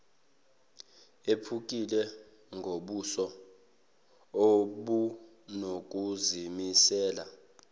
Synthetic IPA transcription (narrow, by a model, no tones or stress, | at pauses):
epʰuk̬ʼilɛ | ŋɡʱoɓusɔ | oɓu | nok̬ʼuzimisɛːla